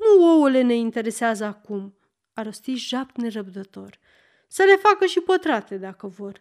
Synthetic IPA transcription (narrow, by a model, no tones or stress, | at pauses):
nuoule̞ne̞int̪e̞ɾe̞seazəakum | aɾost̪iʒap̚t̪ne̞ɾəb̚d̪ət̪o̞rʲ | səle̞fakəʃipət̪ɾat̪e̞d̪akəvo̞r